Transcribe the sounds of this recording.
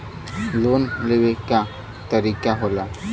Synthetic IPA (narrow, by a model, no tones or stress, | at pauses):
loːnleʋeka | t̪əɾiːkaɦola